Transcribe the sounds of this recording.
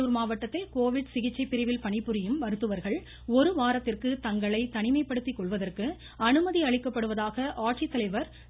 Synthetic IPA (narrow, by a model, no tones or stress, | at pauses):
uːɾmaːʋɐʈːɐt̪ːɪlkoːʋɪɽsɪɣɪt͡ʃːɐɪpːɪɾɐɪʋɪlpɐɳɪpːɯɾɪjɯmʋɐɾɯt̪ːɯʋɐɾɣɐɭ | ɔɾɯʋaːɾɐt̪ːɪrkɯt̪ɐŋɡɐɭɐɪt̪ɐɳɪmɐɪpːɐɽɯt̪ːikːɔɭʋɐðɐrkɯ | ɐnɯmɐðiɐɭɪkːɐpːɐɽɯʋɐðaːɣɐʔaːʈsit̪ːɐlɐɪʋɐɾ